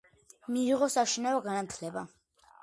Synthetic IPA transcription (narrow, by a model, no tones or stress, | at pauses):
miːʁɔsaʃinavɔɡanat̪ʰlɛba